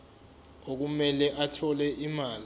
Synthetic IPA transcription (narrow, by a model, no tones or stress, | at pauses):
ok̬umɛlɛʔatʰɔlɛʔimaːl